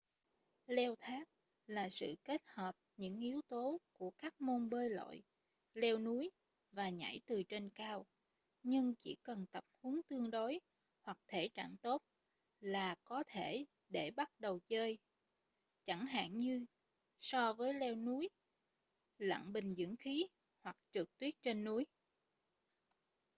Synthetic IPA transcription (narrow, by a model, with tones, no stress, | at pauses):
lɛ˧wt̪ʰaː˦˥k̚ | laː˨˩sɨ̰˧˨ke˦˥t̚həː˨˩p̚ɲɨ̰˧˥ŋʔi˨˦əwt̪o˨˦ku˧˩əkaː˦˥k̚mo˧nɓəː˧jlo̰˧˨j | lɛ˧wnu˨˦əj | vaː˨˩ɲa̰˧˩jt̪ɨ˨˩t͡ɕe˧nkaː˧w | ɲɨ˧ŋt͡ɕḭ˧˩kə˨˩nt̪ə˨˩p̚hu˨˦ŋt̪ɨ˧əŋɗo˨˦j | hwa˨˩k̚t̪ʰe˧˩t͡ɕa̰ː˧˨ŋt̪o˦˥t̚ | laː˨˩kɔ˨˦t̪ʰe˧˩ | ɗe˧˩ɓa˦˥t̚ɗə˨˩wt͡ɕəː˧j | t͡ɕa˧˩ŋɦa̰ː˧˨ŋɲɨ˧ | sɔ˧vəː˨˦jlɛ˧wnu˨˦j | lə̰˧˨ŋɓï˨˩ŋ̟zɨ̰˧˥əŋxi˨˦ | hwa˨˩k̚t͡ɕɨ˨˩k̚t̪wi˦˥ət̚t͡ɕe˧nːu˨˦j